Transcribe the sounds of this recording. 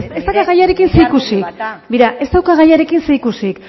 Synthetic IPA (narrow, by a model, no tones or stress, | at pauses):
se̞st̪akaɣajaɾe̞kinseikusikbiɾaʔe̞st̪awkaɣ̞ajaɾe̞kinseikusik